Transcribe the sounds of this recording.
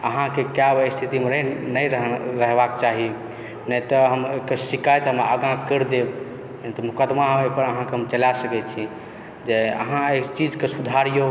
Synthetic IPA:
əɦãkekjabəjst̪ʰit̪imeɾənəjɾəɦɾəɦbakt͡ʃaɦi | nət̪ɔɦəmekəɾsikajt̪ɔɦəmɾaəɡãkəɾd̪eb | nɛt̪ɔmukəd̪maɦepəɾəɦãkeɦəmt͡ʃəlasəkɛt͡ʃʰi | d͡ʒeə̰ɦãet͡ʃid͡ʒkesud̪ʱaɾijo

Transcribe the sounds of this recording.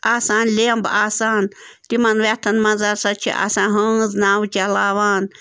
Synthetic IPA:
aːsaːnlʲeːmbaːsaːnt̪imɐnʋet̪ʰɐnmɐzɐɾsɐt͡ʃʰḭʔa̰sãːɦɐznaːwt͡ʃɐlaːʋaːn

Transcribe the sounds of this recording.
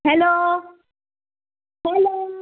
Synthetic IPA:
hɛloː | hɛlo

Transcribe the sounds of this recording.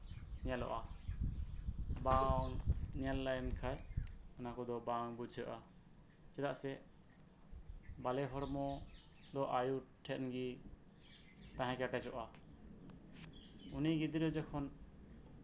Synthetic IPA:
ɲɛlɔ̰ʔa | baŋɲɛlːajnkʰajɔnakɔd̪ɔbaŋbud͡ʒʱəʔa | t͡ʃɛd̪aʔsɛ | balɛɦɔɾmɔ | d̪ɔʔajuʈʰɛʔ̪nɡi | t̪ãɦɛ̃kɛʈɛd͡ʒɔʔa | uniɡid̪iɾɔd͡ʒɛkʰɔn

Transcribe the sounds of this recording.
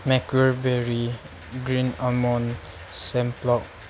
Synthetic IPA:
mɛkəɹbɛɹi | ɡɹĩnamɔ̃n | sɛ̃mplɔk̚

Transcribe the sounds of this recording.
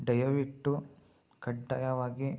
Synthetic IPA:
ɖɐjɐʋiʈːu | kɐɖːɐjɐʋaːɡi

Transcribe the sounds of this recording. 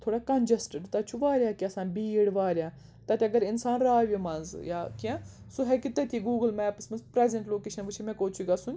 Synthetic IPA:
t̪ʰoːɽaːkɐnd͡ʒɐsʈəɖt̪ɐt͡ʃʰuʋaːɾʲaːkiɐsaːnbiːɽʋaːɾʲaː | t̪ɐt̪ʲeɐɡɐɾɪnsaːnɾaːʋʲimɐnzjaːkiã | suɦɛkit̪ɐt̪ʰʲiɡuːɡəlmɛːpɐsmɐnzpɾɛːzɐɳʈloːkeːʃɐnʋɨt͡ʃʰimɛ̃koːt͡ʃʰuɡaːsunʲ

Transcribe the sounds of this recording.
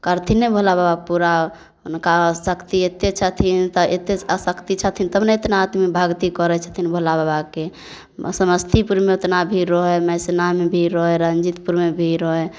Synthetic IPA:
kəɾt̪ʰinebʱolababapuɾa | unkasəkt̪iet̪et͡ʃʰət̪ʰint̪əet̪eəsəkt̪it͡ʃʰət̪ʰint̪əbneet̪naːt̪mibʱəɡt̪ikɔɾɛt͡ʃʰə̥t̪ʰinbʱolababake | səməst̪ʰipuɾmeot̪nabʱiɾɔɦɛmɛsenamebʱiɾɔɦɛɾənd͡ʒit̪puɾmebʱiɾɔɦɛ

